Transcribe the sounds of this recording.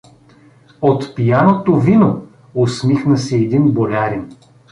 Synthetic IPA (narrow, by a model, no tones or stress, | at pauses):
ot̪pijanot̪ovino | ʊsmixnəsɛɛd̪inbolʲaɾin